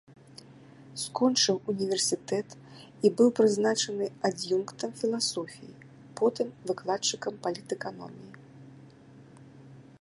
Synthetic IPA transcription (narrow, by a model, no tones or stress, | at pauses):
skɔnt͡ʂɨwunʲivʲɛrsʲit̪ɛt̪ | ibɨwpɾɨznat͡ʂɐnɨad͡zʲjunkt̪ɐmfʲilˠasɔfʲḭjḭ | pɔt̪ɨmvɨklˠat͡ʂːɨkɐmpalʲit̪ɛkanɔ̰mʲiji